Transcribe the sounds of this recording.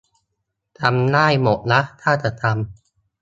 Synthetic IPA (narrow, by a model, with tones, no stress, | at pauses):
t̪ʰa˧mnaː˥˩jmo˨˩t̪̚na˦˥ʔt̪ʰaː˥˩t͡ɕa˨˩ʔt̪ʰa˧m